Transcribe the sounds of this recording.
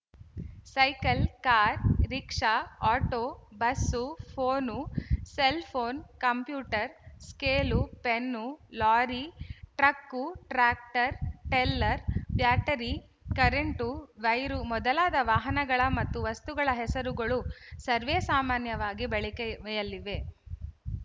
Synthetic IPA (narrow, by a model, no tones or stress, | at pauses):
sɐjkɐlkaːɾɾikʂaaːʈoːbɐsːupʰoːnuselpʰoːnkɐmpjuːʈɐɾskeːlupenːulaːɾiʈɾɐkːuʈɾaːk̚ʈɐɾʈeːlːɐɾbjaːʈɐɾi | kɐɾeɳʈuʋɐjɾumɔd̪ɐlaːd̪ɐʋaːɦɐnɐɡɐɭɐmɐt̪ːuʋɐst̪uɡɐɭɐɦɛsɐɾuɡɐɭusɐɾʋeːsaːmaːnjɐʋaːɡibɛɭɛkeʋɛjɐliʋe